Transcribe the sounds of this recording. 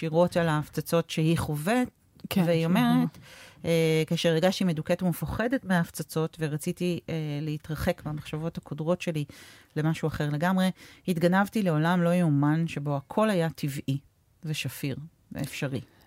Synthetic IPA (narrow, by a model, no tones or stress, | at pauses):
ʃiʁo̞talaːft͡sat͡so̞tʃeiχovet̚ | kveio̞me̞ʁe̞t | kaʃeʁeɡaʃtimeduketumefaχe̞detmeaːft͡sat͡so̞tve̞ʁat͡sitieleitʁɐχe̞kbamaχʃavo̞thakʰodʁo̞tʃe̞lile̞maʃuaχe̞ʁle̞ɡamʁe̞hitɡanavtile̞o̞lamlo̞jumanʃe̞bo̞akʰo̞lajatʰivʔi | veʃafiʁ | vḛefʃaʁi